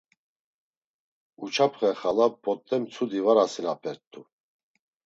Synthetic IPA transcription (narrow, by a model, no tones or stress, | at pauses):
ut͡ʃʰapʰχɛχalabɔt̪ʼːɛmt͡sʰud̪ivaɾasinapʰɛɾt̪ʰʼːu